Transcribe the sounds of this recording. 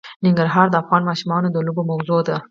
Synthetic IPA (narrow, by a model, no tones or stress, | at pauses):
nɪŋɡaɾɦɑɾd̪əafɣɑnmɑʃumɑnod̪əlobomawzod̪a